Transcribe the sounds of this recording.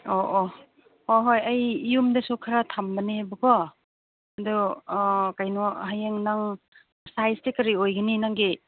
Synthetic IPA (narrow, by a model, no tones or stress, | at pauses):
oʔo | hoɦojɐjijumdɐsukʰaɾatʰambɐnehabɯkɔ | ɐdu | kajnɔɦajeŋnaŋ | sajstekɐɾiojɡɐninaŋɡi